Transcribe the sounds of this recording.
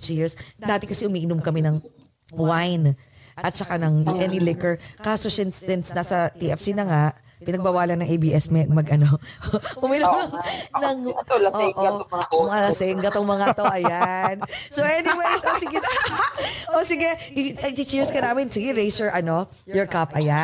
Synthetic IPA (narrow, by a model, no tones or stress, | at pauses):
t͡ʃiɹsd̪aːt̪ɪkɐsɛʊmiːʔɪnomkɐmɛnɐŋ | wajnʔɐt̪̚sɐkanɐŋʔɛnilɪkɛɹkaːsoʃɛnsɛnsnasɐt̪iʔɛfsinɐŋaʔ | pɪnɐɡ̚bawaːlɐnːɐŋʔejbiːʔɛsmɛmɐɡʔɐnoʔʊmɪnomnɐŋʔoʔoɐalɐsɛŋɡɐt̪oŋmɐŋat̪oʔɐjansowʔɛnɪwejsʔosɪɡɪd̪ɐ | ʔosɪɡɛɪɐt̪ɪt͡ʃiɹskɐnaːmɪnsɪɡɛɹejsɛɹʔɐno̞ | jɔɹkapʔɐja